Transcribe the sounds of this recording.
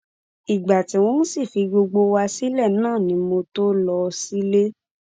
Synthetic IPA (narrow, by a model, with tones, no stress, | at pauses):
i˨ɡ͡ba˨ti˨˦w̃ɔ̃˦n̩˦si˦˨fi˧ɡ͡bo˧ɡ͡bo˧wa˧si˦lɛ˦˨nãː˦˨nĩ˨˦mo˧to˦lɔ˧si˦le˦